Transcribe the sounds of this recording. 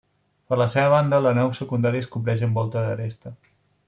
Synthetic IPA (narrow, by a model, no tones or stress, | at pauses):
pəɾləseβəβ̞and̪ələnawsəkund̪aɾiəskumplɛʃ̬əmbɔlˠt̪əðərest̪ə